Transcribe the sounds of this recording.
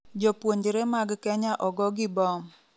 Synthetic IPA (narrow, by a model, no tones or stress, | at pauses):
d͡ʒɔpwoɲd͡ʒɾemaɡkɛɲaʔɔɡɔɡɪbɔm